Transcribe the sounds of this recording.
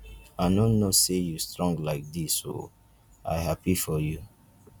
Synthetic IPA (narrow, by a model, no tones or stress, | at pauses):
aɪnõnːosejustɹɔ̃ŋɡlaɪk̚disːo̰ | a̰ɪɦapifɔju